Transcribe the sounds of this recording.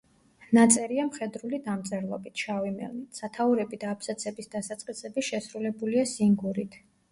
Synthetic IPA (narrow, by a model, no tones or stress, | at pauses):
nat̪sʼɛɾiamχɛd̪ɾulid̪amt̪sʼɛɾlˠɔ̰bit̪ʰʃavimɛ̰lnit̪ʰsat̪ʰauɾɛbid̪aːpʰsat̪sʰɛbisd̪asat̪sʼqʼisɛbiʃɛsɾulɛbuliasiŋɡuɾit̪ʰ